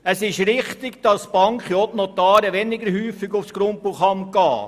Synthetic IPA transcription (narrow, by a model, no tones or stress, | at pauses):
əsɪʃɾɪχt̪ɪɡd̥ɑsb̥ɑŋkχiɔtnɔt̪ɑːɾəʋɛnɪɡəɾhyːfɪɡʊfsɡ̥ɾʊmpuχɑmɡɑː